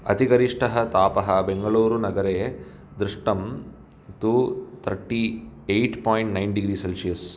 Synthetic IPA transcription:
ɐ̰t̪iɡɐɾiʂʈɐɦɐt̪aːpɐɦɐbeŋɡɐɭuːɾunɐɡɐɾej | d̪ɾuʂʈɐm | t̪uːt̪ʰɐɾʈiːejʈpɔːjɳʈnɐjnɖiɡɾiːselʂijɐs

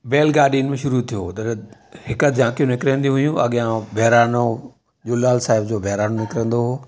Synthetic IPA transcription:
beːlɡaːɾɖinmẽʃʊɾut̪ʰijoːt̪ɐɾhɪkəd͡ʑãːkijũnɪkɾə̃nd̪iũɦʊjũʔɐɠijãbʱɛɦɾaːno | ʄʊlaːlsaːɦɪbd͡ʑoːbʱɛɦɾaːnonɪkɾə̃n̆d̪oɦoː

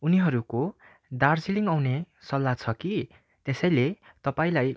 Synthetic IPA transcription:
uniɦʌɾuko | d̪arsiliŋawne | sʌlːat͡sʰʌki | t̪esʌjle | t̪ʌpaĩlaj

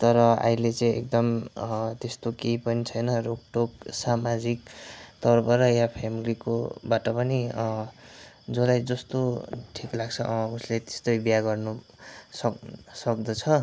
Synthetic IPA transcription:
t̪ʌɾʌa̰ilet͡sʌĩek̚d̪ʌmt̪est̪okejpʌnit͡sʰʌjnʌrok̚ʈoksamad͡zik̚t̪ʌrpʰʌɾʌjapʰemilikobaʈʌpʌni | d͡zʌlajd͡zʌst̪oʈʰiklaɡt͡sʰʌʔuslet̪e̥st̪ojbijaɡʌrnu | sʌsʌk̚d̪ʌt͡sʰʌ

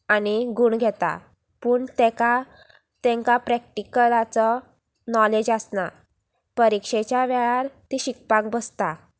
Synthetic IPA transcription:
aniɡuɳɡʱɛt̪a̰ | puːɳt̪ɛ̃ka | t̪ɛ̃ŋkapɾɛk̚ʈikəlat͡sɔ | nɔled͡ʑasna | pəɾikʂet͡ɕjaʋɛɭaɾt̪iɕik̚pãkbəst̪a

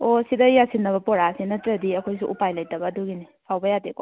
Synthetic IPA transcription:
osidɐjasinːɐβɐpɔɾasinɐtɾɐdiɐkʰojsuʔupajlajtɐbɐːduɡini | pʰawbɐjateko

